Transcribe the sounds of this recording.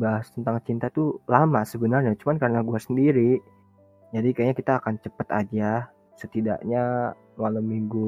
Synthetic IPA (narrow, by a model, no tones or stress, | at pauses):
baɦast̪ənt̪aŋt͡ʃint̪at̪ulamasəbənarɲat͡ʃumankarənaɡuasəndiɾi | d͡ʒadikajaɲakit̪aːkant͡ʃəpət̪a̰d͡ʒa | sət̪ida̰ʔɲa | malamːiŋɡu